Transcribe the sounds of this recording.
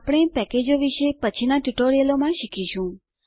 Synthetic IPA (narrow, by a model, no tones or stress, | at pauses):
apɽ̃epɛked͡ʒoʋiʃepət͡ʃʰinaʈuʈoɾijəlomãʃikʰiʃũ